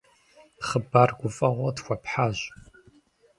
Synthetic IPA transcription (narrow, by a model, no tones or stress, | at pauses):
dχəbarɡʷʊfʼɐʁʷɐdxʷapʰħaʑ